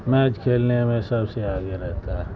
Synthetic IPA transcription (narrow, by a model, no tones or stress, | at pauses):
mɛ̃ːd͡ʒkʰeːlnemẽsɐbseaːɡeɾɛɦt̪a